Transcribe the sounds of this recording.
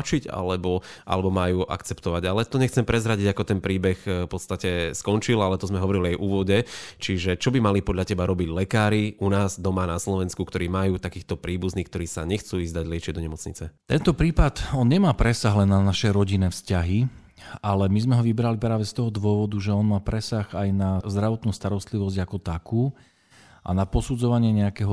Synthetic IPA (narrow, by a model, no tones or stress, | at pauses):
t͡ʃiɟa̰lɛbɔʔa̰lɛbɔmajuːʔa̰kt͡sɛpt̪ɔʋaɟalɛt̪ɔɲɛxt͡sɛmpɾɛzɾaɟiɟakɔt̪ɛnpɾiːbɛxpɔt̪st̪acɛskɔnt͡ʃilalɛt̪ɔzmɛɦɔʋɔɾiliajʔuːʋɔɟɛt͡ʃiʒɛt͡ʃɔbimalipɔd̪ʎacɛbaɾɔbiɟlɛkaːɾiunaːzd̪ɔmanaslɔʋɛnskukt̪ɔɾiːmajuːt̪akiːxt̪ɔpɾiːbuzniːkt̪ɔɾiːsaɲɛxt͡suːiːzd̪aɟlɪɛt͡ʃɪɛd̪ɔɲɛmɔt͡sɲit͡sɛt̪ɛnt̪ɔpɾiːpat̪ɔnɲɛmaːpɾɛsaɣlɛnːanaʃɛɾɔɟinɛːfscaɦi | alɛmizmɛɦɔʋibɾalipɾaːʋɛst̪ɔɦɔd̪ʋʊɔʋɔd̪uʒɛɔnmaːpɾɛsaxajnazd̪ɾaʋɔt̪nuːst̪aɾɔst̪liʋɔzɟakɔt̪akuː | ʔa̰napɔsud͡zɔʋaɲɪɛɲɛakɛːɦɔ